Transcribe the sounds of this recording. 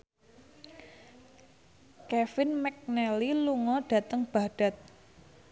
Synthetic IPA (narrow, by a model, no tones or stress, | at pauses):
kɛfɪnmɛk̚nɛliluŋɔɖ̥ä̤t̪əŋb̥a̤ɖ̥a̤t̪̚